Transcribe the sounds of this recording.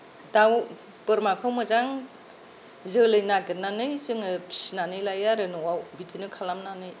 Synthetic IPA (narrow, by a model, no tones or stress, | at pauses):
daw | pɯɾmakʰawmɯzaŋ | zɯlɯjnaɡɯnanɯjt͡ʃɯŋɯpʰi̥sinanɯjlajaɾɯnɯwawbitʰinɯkʰalamnanɯj